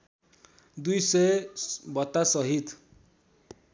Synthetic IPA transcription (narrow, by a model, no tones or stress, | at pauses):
d̪ujsʌebʌt̪ːasʌɦit̪